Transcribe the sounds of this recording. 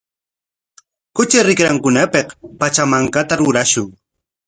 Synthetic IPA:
kʊt͡ʃɪɾɪkɾaŋkʊnapeqpat͡ʃamaŋkat̪aɾʊɾaʃʊŋ

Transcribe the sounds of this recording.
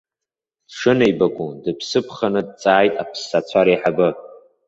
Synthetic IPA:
d̥ʂɨnejbakʷʼudɨpʰsɨpʰχanɨd̚t͡sʼaːjtʼa̰pʰsːat͡sʷʰaɾajħabɨ

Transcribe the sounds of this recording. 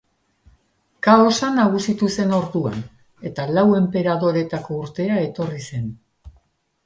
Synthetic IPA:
kao̞sanaɣ̞usit̪use̞no̞ɾðua̰n | e̞t̪alawe̞mpe̞ɾaðo̞ɾe̞t̪ako̞uɾt̪e̞ae̞t̪o̞rise̞n

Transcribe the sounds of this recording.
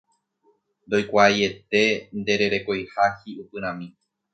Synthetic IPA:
nd̪o̞jkʷaje̞t̪e̞nd̪e̞ɾe̞ɾe̞kojhahiupɨɾ̃ãmĩ

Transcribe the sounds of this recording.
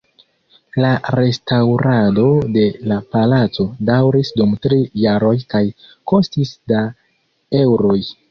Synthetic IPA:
laɾe̞stawɾado̞de̞lapalat͡so̞dawɾisdumtɾiːaɾo̞jkajko̞stisda | e̞wɾo̞j

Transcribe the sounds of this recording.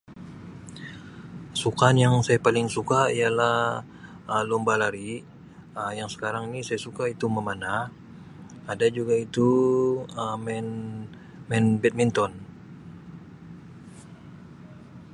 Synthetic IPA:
sukanjaŋsajapalɪŋsukaijalah | əlɔmbalaɾi | əjaŋsə̥kaɾaŋinisajasukait̪uməmana | adad͡ʒuɡait̪u | əmɛn | mɛnbɛt̪̚mint̪ɔn

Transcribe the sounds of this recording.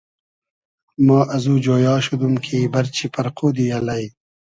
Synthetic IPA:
maːʔɐzuːd͡ʑoːjɑːʃud̪umkʰiːbɐɾt͡ɕʰipɐɾqoːd̪ijɐlɐj

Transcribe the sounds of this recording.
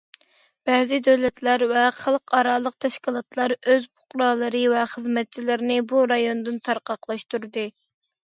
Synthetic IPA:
b̥ɛːzɪd̪øwlɛt̪læɾvɛχəlˠqɑɾɑːlˠəq̚t̪ʰɛʃkʲilˠɑt̪lˠɑɾøzbʊqɾɑːlˠɨɾɨvɛχəzmɛt̪̚t͡ʃʰilɪɾnɪbuɾɑjond̪ɨnt̪ʰɑɾqɑqlˠɑʃt̪uɾd̪ɨ

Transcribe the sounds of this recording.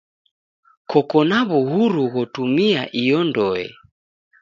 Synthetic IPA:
kɔkɔnaβuɦuɾuɣɔtumiaʔijɔndɔɛ̰

